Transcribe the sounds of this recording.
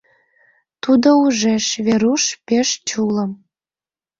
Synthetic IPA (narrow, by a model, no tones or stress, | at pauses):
t̪ud̪ouʒeʃβeɾuʃpeʃt͡ɕulə̆m